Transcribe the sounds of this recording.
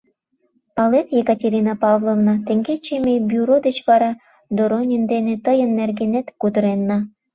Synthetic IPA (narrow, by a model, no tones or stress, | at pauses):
pɑlet̪jekɑtʲeɾʲinɑpɑvlˠovnɑt̪eŋɡet͡ɕemebyɾod̪et͡ɕβɑɾɑ | d̪oɾonʲind̪enĕt̪əjənːerɡenet̪kud̪əɾenːɑ